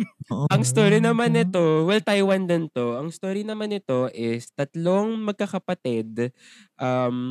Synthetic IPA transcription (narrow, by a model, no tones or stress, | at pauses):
ʔɐŋst̪oːɾinɐmanɪt̪o̞wɛlt̪ajwɐnd̪ɪnt̪o̞ʔɐŋst̪oːɾinɐmanɪt̪o̞ʔɪst̪ɐt̪loŋmɐɡ̚kɐkɐpɐt̪ɪd̪ | ʔam